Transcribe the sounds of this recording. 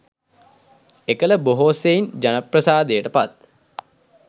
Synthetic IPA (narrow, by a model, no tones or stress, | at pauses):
ekələboɦoːseind͡ʒanəprəsaːd̪ejəʈəpat̪